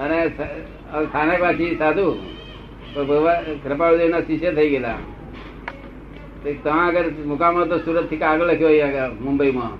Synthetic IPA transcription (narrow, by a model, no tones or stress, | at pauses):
ənes | əst̪ʰanekʋat͡ʃʰisad̪ʱu | pbʱəʋakɾəpaɽud̪enasiʃjət̪ʰəiɡela̰ | t̪et̪əmãəɡəɾmʊkaməɭot̪osuɾət̪ʰːikaɡələkʰijoamʊmbəimã